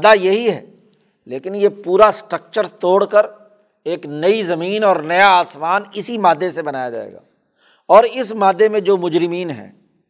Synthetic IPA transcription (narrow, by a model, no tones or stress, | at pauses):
d̪ajɐɦiɦɛ̰ː | leːkɪnjepuːɾasʈɾək̚t͡ʃəɾt̪oːɽkəɾ | eːknɐizɐmiːnɔːɾnɐjaaːsʋaːnɪsimaːd̪ʱːesebɐnaːjad͡ʒa̰ːḛːɡa̰ː | ɔːɾɪsmaːd̪ːemẽd͡ʒoːmʊd͡ʒɾɪmiːnɦɛ̰̃ː